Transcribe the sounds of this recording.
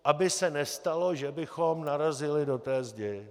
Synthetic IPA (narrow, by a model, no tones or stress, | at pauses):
ʔabɪsɛnɛst̪alo̞ʒɛbɪxomnaɾazɪlɪdo̞t̪ɛːzɟɛ